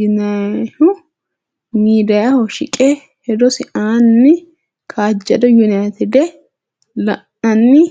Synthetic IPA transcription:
ʊnaʊ | miːd̪ɐjɐhɔʃɪkʼɛ | hɛd̪ɔsɪʔaːnːɪ | kʰaːd͡ʒːɐd̪ɔjʊnajt̪ɪd̪ɛ | lɐʔːɐnːɪ

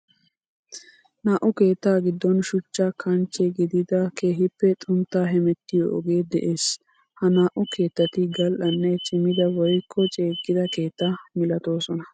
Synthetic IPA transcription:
naːʔʊke̞ːt̪ːaːɡɪd̪ːɔnʃʊt͡ʃːakʰɐnt͡ʃːɛɡɪd̪ɪd̪ɐkʰeːɦɪpːɛt̪ʼʊnt̪ːaːɦɛmɛt̪ːɪjo̰ːɡe̞ːd̪ɛʔe̞ːs | hɐnaːʔʊke̞ːt̪ːɐt̪ɪɡɐlʔɐnːɛt͡ʃʼɪmɪd̪ɐwɔjkʰːɔt͡ʃʼe̞ːɡɪd̪ɐke̞ːt̪ːamɪlɐt̪o̞ːsɔnɐ

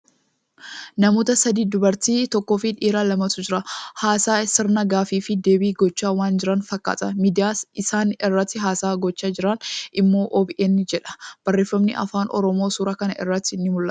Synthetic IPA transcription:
nɐmoːt̪ɐsɐd̪iːd̪ʊbɐɾt̪iːt̪ɔkːoːfɪᶑiːɾaːlɐmɐt̪ʊd͡ʒɪɾɐhaːsaːsɪɾnɐɡaːfiːfɪd̪eːbiːɡɔt͡ʃːaːwaːnd͡ʒɪɾɐnfɐkːa̰ːt̪ʼɐmiːd̪ɪjaːsɪsaːnɪrːɐt̪ːɪɦaːsaːɡɔt͡ʃːaːd͡ʒɪɾɐnʔɪmːo̞ːʔɔbɪʔeːnːɪd͡ʒɛᶑɐ̥b̥ɐrːe̞ːfːɐmnɪʔɐ̰faːnʔɔ̰ɾɔmo̞ːsuːɾɐkɐnɐʔɪ̰rːɐt̪ːɪɪnːɪmʊlːɐt̪

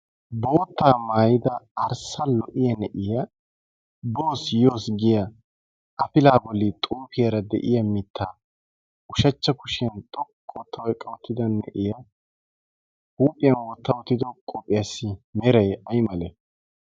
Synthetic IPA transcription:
bo̞ːt̪ːaːmaːjɪd̪ɐɐɾsɐlɔʔɪjɐnɛʔɪjɐ | bo̞ːsjo̞ːsɡɪjɐ | ʔɐfɪlaːbɔlːɪt̪ʼuːfɪjɐɾɐd̪ɛ̰ʔɪjɐmɪt̪ʰːaː | ʊʃɐt͡ʃːɐkʊʃɐnt̪ʼɔkʼːɔwt̪ʰːɐwɔjkʼːɐwɔt̪ːɪd̪ɐnːɛʔɪjɐ | huːpʼːɪjɐnwɔt̪ːɐwɔt̪ːɪd̪ɔkʼɔpʼɪjasːɪmɛɾɐjɐjmɐlɛ

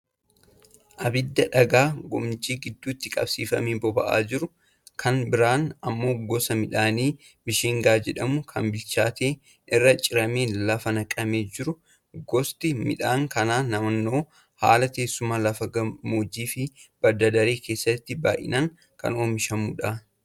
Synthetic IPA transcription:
ʔɐbɪd̪ːɐᶑɐɡaːɡɔ̰mt͡ʃiːɡɪd̪ːuːt̪ːɪkʼɐ̰b̥siːfɐmeːbɔbɐ̰ʔa̰ːd͡ʒɪɾʊ | kʰɐnbɪɾaːnɐmːo̞ːɡɔsɐmɪᶑaːniː | bɪʃiːŋɡaːd͡ʒɛᶑɐmʊkʰɐnbɪlt͡ʃaːt̪eː | ʔɪrːɐt͡ʃʼɪɾɐmeːlɐfɐnɐkʼɐmeːd͡ʒɪɾʊ | ɡɔst̪ɪmɪ̰ᶑaːŋkɐnaːnɐmɐnːo̞ː | ha̰ːlɐt̪e̞ːsːʊmaːlɐfɐɡɐmoːd͡ʒiːfɪb̥ɐɾd̪ɐd̪ɐɾeːkʰeːsːɐt̪ːɪba̰ːʔɪ̰naːŋ | kɐ̰noːmɪʃɐmuːᶑaː

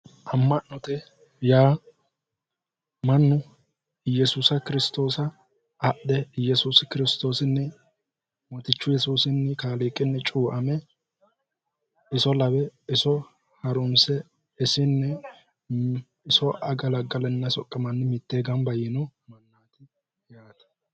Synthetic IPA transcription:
ʔɐmːɐʔnɔt̪ɛ | jaː | mɐnːʊ | jɛsuːsɐkɪɾɪst̪o̞ːsɐː | ʔd̪ɛjɛsuːskɪɾɪst̪o̞ːsɪnːɛ | mɔt̪ɪt͡ʃːʊjɛsuːsɪnːɛkaːleːkʼːɪnːɛt͡ʃʼuːʔɐmɛ | ɪsɔlɐbɛɪsɔ | hɐɾʊnsɛ | ɪsɪnːɛ | ɪsɔʔɐɡɐlɐɡɐlɛnːɐsɔkʼːɐmɐnːɪmɪt̪ːeːɡɐmbɐjɪnɔmɐnːaːt̪ɪ | jaːt̪ɐ̥

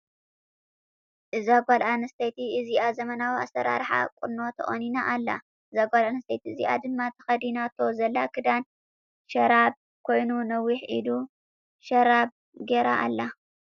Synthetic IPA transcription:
ʔɨzaɡʷalʔanɐst̪ʰet̪ʰiɨziʔazɐmɐnawia̰sɐɾa̰ɾħa̰kʼʊnːo̞t̪ʰɐʔʼoninaʔalːa̰ | ʔɨzaɡʷalanɐst̪ʰet̪ʰiɨziʔa̰d̪ɨmːat̪ʰɐ̥xɐd̪inat̪ʰo̞zɐlːakʰɨd̪an | ʃɐɾab̚ | kʰo̞jnunɐwːiħʔḭd̪u | ʃɐɾab̚ | ɡeɾaʔalːa

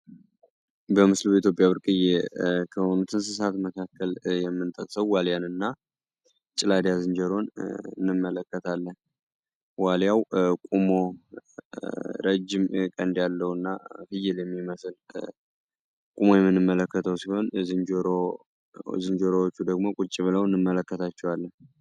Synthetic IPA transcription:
bəmɨslubəit̪̬ʰjopʼjaβɨɾkʼɨjɛkʰəonut̪ʰɨns̬ɨs̬at̪məkʰakːəljɛmːɨnt̪ʼəkʼsəwːaljanɨnːa | t͡ʃʼɪlad̪jazɨnd͡ʒəɾo̞nɨ̰nːɨmːələkːət̪ʰalːən | waljawkʼumo̞ | ɾəd͡ʒːɪmkʼənd̪jalːəwɨnːahɨjɪljɛmːiməsɨl | kʼumo̞jɛmːɨnːɨmːələkːət̪ʰəwsiho̞nzɨnd͡ʒɾ | zɨnd͡ʒoɾowot͡ʃːud̪əɡmo̞kʼut͡ʃʼɪβɨləwɨnːɨmːələkːət̪ʰat͡ʃːɛwalːən

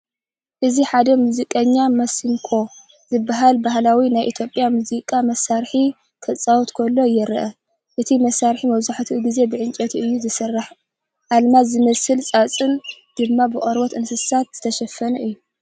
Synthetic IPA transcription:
ʔɨziħad̪ɐmuzikʼɐɲːamɐsimkʰo̞ | zɨbːaɦalbahlawinajʔit̪ʰjo̞pʼjamuzikʼamɐsaɾħi | kʰɐt͡sʼawt̪kʰolːo̞jɛɾʔɐ | ʔɨt̪ʰimɐsːaɾħimɐβzaħt̪ʰiɡize̞bɨʕɨnt͡ʃʼɐt̪ʰɨjːuzɨsɨrːɨħ | ʔalmazɨmɐsɨlt͡sʼat͡sʼɨnd̪̥ɨmːabɨχʼɐɾwot̪ɨnsɨsat̪z̥ɨt̪ʰɐʃɐfːɐnɐʔɨjːu

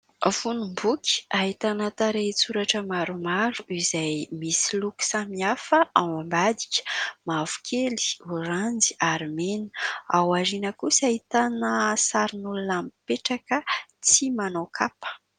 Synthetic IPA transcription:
funumbukʲi̥aɦit̪anət̪aɾet͡suɾaʈ͡ʂəmaɾumaɾuizajmisiluku̥samiafəʔawambad̪i̥kʲə̥mavu̥kʰeli̥uɾand͡ziaɾmeni̥awaɾinəkusaɦit̪anəsaɾinulunampeʈ͡ʂakət͡simanawkʰapə̥

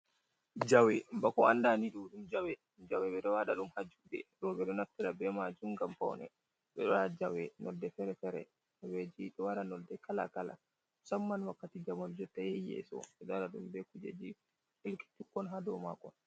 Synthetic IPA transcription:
d͡ʒawɛbakɔandaniɗuɗumd͡ʒawɛ | md͡ʒawɛɓɛɗɔwaɗaɗumhad͡ʒuɗɛ̰ɾɔɓɛɗɔnatːiɾabɛmad͡ʒumɡampa̰wnɛ̰ | ɓɛɗɔad͡ʒawɛnɔdːɛfɛɾɛfɛɾɛ̰ | ɔwed͡ʒiɗɔwaɾanɔdːɛkala̰kala̰ | samːanwakːatid͡ʒamɔnd͡ʒɔtːajɛjɛ̰sɔ̰ɓɛɗaɗaɗumbɛkud͡ʒed͡ʒi | helki̥tukːɔnɦadɔma̰kɔn

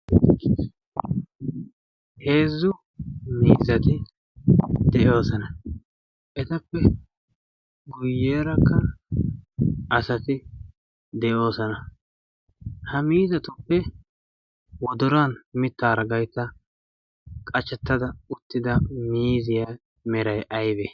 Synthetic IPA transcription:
he̞ːzːʊ | miːzɐt̪ɪ | d̪ɛʔo̞ːsɐnɐ | ʔɛt̪ɐpːɛ | ɡʊjːe̞ːɾɐkːɐ | ɐsɐt̪ɪ | d̪ɛʔo̞ːsɐnɐ | hɐmiːzɐt̪ʊpːɛ | wɔd̪ʊɾaːnmɪt̪ːaːɾɐɡɐjt̪ːɐ | kʼɐt͡ʃːɛt̪ːɐd̪ɐʊt̪ːɪd̪ɐmiːzɪja | mɛɾɐjʔɐjbeː

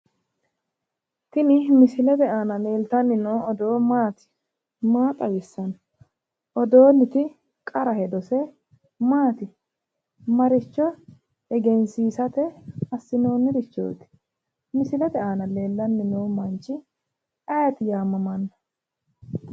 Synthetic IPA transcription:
t̪ɪnɪmɪsɪlɛt̪ɛaːnɐle̞ːlt̪ɐnːɪnoːɔd̪o̞ːmaːt̪ɪ̥ | maːt̪ʼɐwɪsːɐn | ʔɔd̪oːnːɪt̪ɪ | kʼɐɾɐhɛd̪ɔsɛ | maːt̪ɪ | mɐɾɪt͡ʃːɔ | ɛɡɛnsiːsɐt̪ɛɐsːɪno̞ːnːɪɾɪt͡ʃːo̰ːt̪ɪ̥ | mɪsɪlɛt̪ɛaːnɐle̞ːlːɐnːɪnoːmɐnt͡ʃːɪ | ɐjɐt̪ɪjaːmːɐmɐnːɐ

